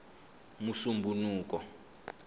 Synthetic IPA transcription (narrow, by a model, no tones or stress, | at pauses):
musumbʱunuːk̬ɔ